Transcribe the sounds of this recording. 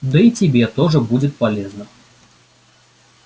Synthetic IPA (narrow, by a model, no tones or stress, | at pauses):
d̪ɨit͡sʲibʲɛt̪ɔʐɐbud͡zʲɛt̪palʲɛznɐ